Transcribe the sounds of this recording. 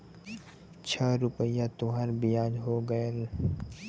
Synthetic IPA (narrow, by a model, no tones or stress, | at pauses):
t͡ʃʰəːɾʊpəjat̪ʊɦaːɾbijaːd͡ʒɦoːɡəel